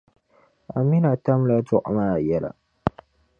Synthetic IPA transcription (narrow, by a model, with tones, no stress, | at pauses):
a˨mi˦na˨t̪a˦mla˦tu˦˨ʔa̰˨ma˦˨ja˦˨la̰˨